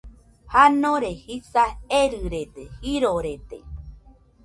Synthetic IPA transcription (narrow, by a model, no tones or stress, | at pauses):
hanõɾehisaeɾɨɾet̪ehiɾoɾet̪ḛ